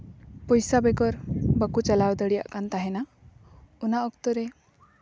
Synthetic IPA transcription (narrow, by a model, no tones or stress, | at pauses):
pɔjsabɛɡɔɾbəkut͡ʃalawd̪əɽija̰ʔkant̪aɦɛna | unaʔɔkt̪ɔɾe